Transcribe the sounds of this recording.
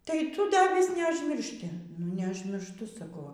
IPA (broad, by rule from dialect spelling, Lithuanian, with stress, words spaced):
tɐɪ ˈtʊ ˈdɐ ʋʲɪs nʲɛɐʒʲmʲɪrʲˈʃʲtʲɪ nʊ nʲɛʊʒʲmʲɪrʃˈtʊ sɐˈkɐʊ ˈʋɐ